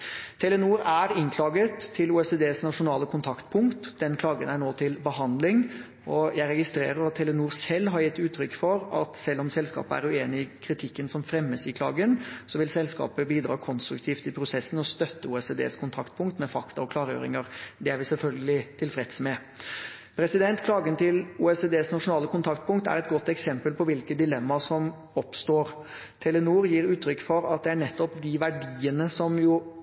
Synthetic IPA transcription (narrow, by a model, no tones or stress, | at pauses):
t̪ʰɛlːənuːɾæɾɪŋkʰlɑːɡət̪ʰːɪluːɛsed̪eːsnɑʂʊnɑːləkʰʊnt̪ʰɑkt̪pʰʊŋkt̪d̪ɛnkʰlɑːɡənæɳoːt̪ʰɪlbəɦɑnd̪lɪŋ | ɔjæɪɾɛɡɪst̪ɾeːɾəɾɑt̪ʰːɛlːənuːɾsɛlːɦɑɾjɪt̪ːʉːt̪ʰːɾʏkːfɔɾɑt̪sɛlːɔmsɛlskɑ̰ːpəæ̰ɾʉeːnɪɪkʰɾɪt̪ʰɪkːənsɔmfɾɛmːəsɪkʰlɑ̰ːɡənsɔʋɪlsɛlskɑ̰ːpəbiːd̪ɾɑ̰ːkʰɔnst̪ɾʉkt̪ʰiːft̪ɪpʰɾʊsɛsən̩ɔst̪œt̪ːəuːɛseːd̪ḛːskʰʊnt̪ʰɑkt̪̚pʰʊŋkt̪mɛfɑkt̪ɑɾɔkʰlɑːɾjø̰ːɾɪ̰ŋəɾd̪ɛæɾʋɪsɛlfœlɡəlɪt̪ʰɪlfɾɛt̪smɛ | pʰɾɛsɪd̪ɛnt̪kʰlɑːɡənt̪ɪluːɛseːd̪eːsnɑʂʊnɑːləkʊnt̪ʰɑkt̪̚pʰʊŋkt̪æ̰ɾɛt̪ɡɔt̪ːɛksɛmpəlpʰɔʋɪlkəd̪ɪlɛmːɑsɔm | ɔpst̪oːɾ | t̪ʰɛlənuːɾjiːɾʉːt̪ʰːɾʏkːfɔɾɑt̪̚d̪ɛæɳɛt̪ːɔpd̪ɪʋæɖiːənəsɔmjʊ